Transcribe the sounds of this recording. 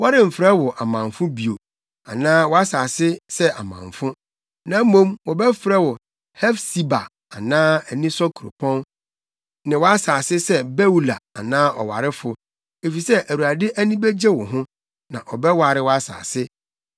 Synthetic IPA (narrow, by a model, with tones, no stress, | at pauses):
wa˦ɾɪ̃˨m̩˨fɾɛ˦wɔ˨ʔa˨mã˨ɱfʊ̃˦bi˨o˨ | a̰˨nãː˦wɔ˦a˦saː˨sɪ˦sɛ˦ʔa̰˨mã̰˨ɱfʊ̃˦ | nã˨˦mõ˦mwɔ˨bɛ˦fɪ˨ɾɛ˦wɔ˨ | hɛ˦fsi˨ba̰˨ | a˨nãː˦æ˨nĩ˦sɔ˦kʰu˨ɾo̰˨pʰɔ̃˦n | nɪ̃˨wɔ˦a˦saː˨sɪ˦sɛ˦bɛ˦u˦la̰˨a̰˨nãː˦ɔ˨wa̰˨ɾɪ˦fʊ˨ | e˨fi˨sɛ˦ʔæ˨wu˨a˨dɪ˦ʔæ˦nĩ˦bɛ˦d͡ʑɛ˦wʊ˨ɦʊ̃˦ | nã˨ʔɔ˨bɛ˦wa˨ɾɪ˦wɔ˦a˦sa̰ː˨sɪ˦